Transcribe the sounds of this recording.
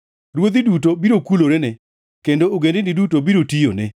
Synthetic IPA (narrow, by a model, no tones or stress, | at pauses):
ɾwod̪ɪdutobiɾokuloɾɛnɛ | kendooɡendenɪdutobiɾotijo̰nɛ